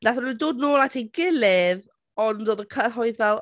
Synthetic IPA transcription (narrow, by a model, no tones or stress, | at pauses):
naθəɾidoːdnoːlˠatʰiɡɪlɪð | ɔndɔðəkʰəɦɔjðvɛlˠ